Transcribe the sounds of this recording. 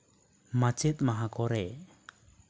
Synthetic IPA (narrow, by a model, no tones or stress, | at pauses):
mat͡ʃɛt̪̚maɦakɔɾɛ